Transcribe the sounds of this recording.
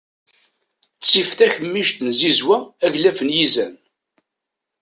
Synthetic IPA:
t͡sːift̪æçəmːiʃt̪nzizwæːʝlæfənjizæn

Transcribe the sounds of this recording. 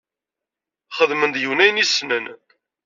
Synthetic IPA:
χəðmənd̪juwnæjnisnən

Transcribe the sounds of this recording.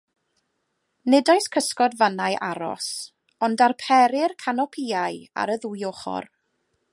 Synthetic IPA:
nɛdajskʰəskɔdvanajʔaɾɔ̰s | ɔndarpʰɛɾɪrkʰanɔpʰiaja̰ɾəðujoχɔ̰r

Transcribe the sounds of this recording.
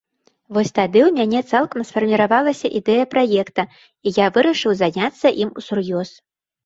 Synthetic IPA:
vɔsʲt̪ad̪ɨwmʲanʲɛt̪salˠkɐmsfɐrmʲiɾavalˠɐsʲɐʔid̪ɛjɐpɾajɛkt̪ɐ | ijavɨɾɐʂɨwzanʲat̪sːɐʔimusurjɔs

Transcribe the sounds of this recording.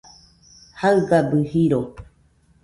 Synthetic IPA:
haɨɡabɨhiɾo

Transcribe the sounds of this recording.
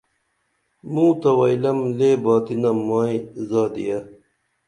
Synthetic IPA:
mũːt̪ɐwaːilɐmleːbaːt̪inɐmaːizaːd̪ḭjɐ

